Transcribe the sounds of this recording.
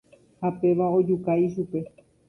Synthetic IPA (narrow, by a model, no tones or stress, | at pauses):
hape̞ʋaod͡ʒukajʃ̬upe̞